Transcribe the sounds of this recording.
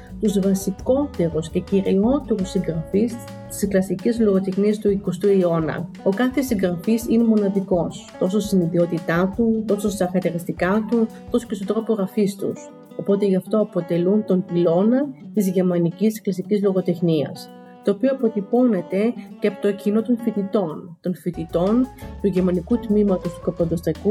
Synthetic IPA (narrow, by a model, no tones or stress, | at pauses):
t̪uzvɐsiko̞t̪e̞ɾusce̞ciɾio̞t̪e̞ɾusːiŋɡɾɐfis | t̪i̥seklɐsicizlo̞ɣo̞t̪e̞xniɐst̪uiko̞st̪uio̞nɐ̰ | o̞kɐθesiŋɡɾɐfisine̞mo̞nɐðiko̞st̪o̞s̬o̞siniðio̞t̪it̪ɐt̪ut̪o̞sost̪ɐxɐt̪eɾist̪ikɐt̪ut̪o̞so̥cestot̪ɾo̞poɣɐfist̪ṵs | o̞po̞t̪e̞ʝɐft̪o̞ɐpo̞t̪e̞lunt̪o̞mpilo̞nɐt̪izʝeɾmɐniciseklɐsicizlo̞ɣo̞t̪e̞xniɐ̰s | t̪o̞ːpio̞ɐpo̞t̪ipo̞ne̞t̪e̞cepot̪ocino̞t̪o̞nfit̪it̪o̞nt̪o̞nfit̪it̪o̞nt̪uʝeɾmɐnikut̪mimɐt̪o̞st̪u̥kɐpɐnd̪ost̪ɾɐku